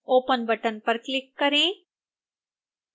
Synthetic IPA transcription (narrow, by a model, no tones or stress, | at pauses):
oːpənbəʈənpəɾklɪkːəɾẽː